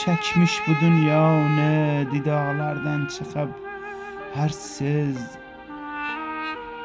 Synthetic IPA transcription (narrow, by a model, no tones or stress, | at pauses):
t͡ʃʰakʰʲmɪʃbʊd̪ʊnjɒnɪd̪ɪd̪ɒʁlaɾd̪ant͡ʃʰɨqʰɨp | haɾsɪz